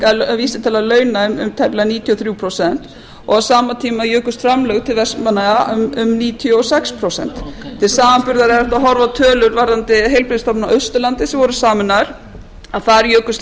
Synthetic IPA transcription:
aviːsɪt̪ʰɛlalœːɥnaʏmʏ̰mt̪ʰɛplaniːt̪ʰjɔθɾjuːpʰɾosɛn̥t̪ | ɔɣasaːmat̪ʰiːmajœːkʏst̪fɾamlœːɣt̪ʰɪlvɛst̪manaɣamʏmniːt̪ʰjɔɔsɛkspʰɾowsɛ̰n̥t̪t̪ʰɪlsaːvampʏɾðaɾɛɾɛht̪aɦɔɾvat̪ʰœːlʏɾvaɾðant̪ɪɦejlpɾɪðst̪ɔpnaœɥst̪ʏlant̪ɪsɛmvɔɾʏsaːmɪnaɾ̥ | aðθaɾjœːkʏst̪

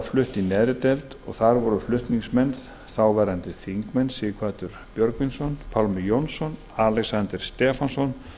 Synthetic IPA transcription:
flʏht̪inɛːɾɪt̪ɛlt̪ɔ̰ɣθaɾvɔɾʏflʏht̪niŋsmɛnð | θawvɛːɾant̪ɪθiŋkmɛnːsɪkʰvaːt̪ʏɾ̥pjœɾkvinsɔnpʰawlmɪjɔnsɔn | alɛksant̪ɪɾ̥st̪ɛːfansɔn

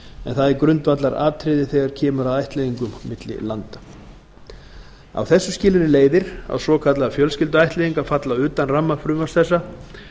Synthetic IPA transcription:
ɛ̰nθaðɛɾkɾʏnt̪vat̪laɾa̰ːt̪ʰɾɪðɪθɛɣaɾ̥cʰɛːmʏɾaðajht̪lɛðiŋkʏmːɪt̪lɪ̰lant̪ḁ | a̰wθɛsːʏscɪːlɾɪleːjðɪɾa̰wsvɔːkʰat̪laðafjœlscɪlt̪ʏajht̪lɛðiŋkafat̪laʏːt̪anramːafɾʏːmvasθɛsːa

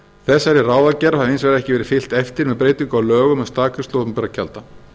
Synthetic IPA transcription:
θɛsːaɾɪraːwðacɛɾahaðɪejnsvɛɾaɛhcɪvɛːɾɪ̥fɪl̥t̪ɛft̪ɪɾmɛðpɾeːjt̪ʏŋkaawlœːɣʏmɛðst̪aːkʏst̪oːmpɛɾacʰa̰lt̪a

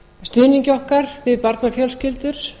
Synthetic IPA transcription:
st̪ʏːniɲcɪɔhkaɾvɪðpaɾt̪nafjœlscɪlt̪ʏɾ̥

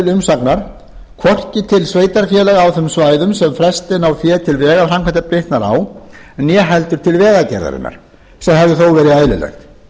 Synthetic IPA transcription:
lʏmsaknaɾ̥ | kʰvɔr̥cɪt̪ʰɪlsveːjt̪aɾ̥fjɛlɛɣawθœmsvaːjðʏmsɛmfɾɛst̪ɪnawfjɛːt̪ʰɪlvɛːɣafrɾamkʰvant̪apɾɪht̪naɾa̰ːwnjɛːɦɛlt̪ʏɾ̥t̪ʰɪlvɛːɣacɛ̰ɾða̰ɾɪ̰nːa̰ɾ̥ | sɛmɦɛvðʏθowvɛːɾɪaːjlɪ̰lɛ̰xt̪

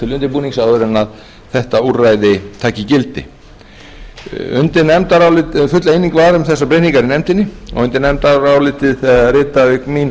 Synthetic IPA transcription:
t̪ʰɪlʏnt̪ɪpuːniŋsawðʏɾɛnað | θɛht̪aurajðɪt̪ʰaːcɪcɪlt̪ɪ̰ | ʏ̰nt̪ɪnɛmt̪aɾaːwlɪfʏt̪lejniŋkvaɾʏmθɛsːapɾehniŋkaɾinɛjmt̪ɪnːɪɔ̰ɣʏnt̪ɪnːɛmt̪aɾawlɪt̪ɪðθɛðɾɪːt̪aɪkmin

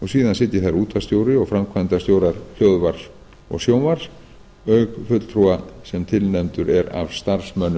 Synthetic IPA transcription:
ɔɣsiːðansɪt̪jɪɾθaɾuːt̪ʰast̪joːwɾɪɔɣfɾamkʰvajnt̪ast̪joːwɾaɾ̥l̥œðvaɾ̥s | ɔ̰ɣsjoːwnvaɾ̥s | œɥkfʏt̪l̥t̪ʰɾuasɛmt̪ʰɪlnɛmt̪ʏɾɛɾa̰vst̪aɾsmœnːʏ

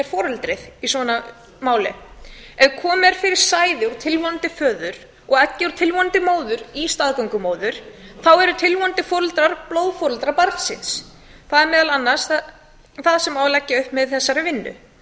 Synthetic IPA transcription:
ɛɾ̥fɔːɾʏlt̪ɾɪðisvɔna | maːwlɪ̰ɛðkʰɔːmɛɾ̥fɪɾɪɾ̥saːjðɪɔɾt̪ʰɪlvɔnt̪ɪfœːðʏɾ̥ | ɔɣɛcːɪɔɾt̪ʰɪlvɔnnt̪ɪmoːwðʏɾist̪aːðkœŋkʏmoːwðʏɾ̥θawɛɾʏt̪ʰɪlvɔnt̪ɪfɔːɾʏlt̪ɾaɾ̥plowðfɔːɾʏlt̪ɾaɾpaɾt̪sɪ̰ns | θaðɛɾmɛːðalanːḁsθa | θaðsɛmavlacːaʏhpmɛðθɛsːaɾɪvɪnːʏ̰

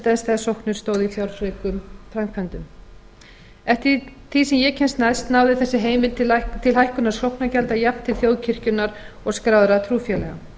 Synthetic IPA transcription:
t̪ɛnst̪ɛðsowhknʏɾst̪oːwðɪiθjawɾfɾekʏmfɾamkʰvant̪ʏm | ɛft̪ɪt̪ʰisɛmjɛcʰɛnst̪najst̪nawðɪθɛsːɪɦeːjmɪnt̪t̪ʰɪlɦajhkʏnaɾ̥sowhknacɛlt̪ajap̪t̪ʰːɪlθjoːwðcʰɪr̥cʏnːaɾ | ɔɣskɾaːwðɾat̪ʰɾuːfjɛlɛɣa̰

